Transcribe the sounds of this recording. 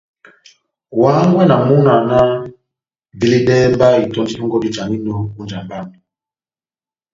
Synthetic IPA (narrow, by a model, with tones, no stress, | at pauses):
waː˨˦ŋɡwɛ˦na˨mu˦na˨na˦ | di˦li˦dɛ˦mba˦i˨tɔ˦nd͡ʒi˦u˦ŋɡɔ˦di˦t͡ʃa˨mi˦no˦u˦nd͡ʒa˨mba˦mi˨